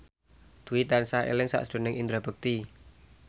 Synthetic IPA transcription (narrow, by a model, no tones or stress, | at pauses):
d̪̥uit̪ansaḛlɪŋsa̰ʔsd̪̥o̤nɪŋʔind̪ɾab̥ək̚t̪i